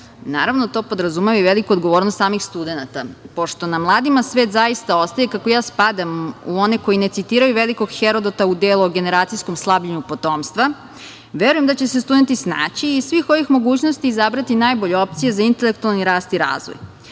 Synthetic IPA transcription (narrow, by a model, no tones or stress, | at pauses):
na̰ːɾaʋnot̪o̞ːpo̞d̪ɾazumeʋajʋe̞likuod̪ɡo̞ʋoːɾnost̪saːmixst̪ud̪e̞nat̪apo̞ʃt̪o̞namlˠaːd̪imasʋe̞ːt̪zajist̪ao̞st̪ajekakojaːspad̪amuoneko̞jine̞t̪sit̪iːɾajuʋe̞liko̞ɡxeɾo̞d̪ot̪aud̪elˠuoɡe̞ne̞ɾaːt̪sijsko̞mslˠabʎaɲupo̞t̪o̞ːmst̪ʋa | ʋeɾujemd̪at͡ɕe̞sest̪ud̪e̞nt̪isna̰ːt͡ɕiːsʋixo̞ʋixmo̞ɡuːt͡ɕnost̪iːzabɾat̪inaːjbo̞ʎeo̞p̚t̪sije̞zaint̪e̞le̞k̚t̪ualˠniɾaːst̪iɾa̰ːzʋo̰j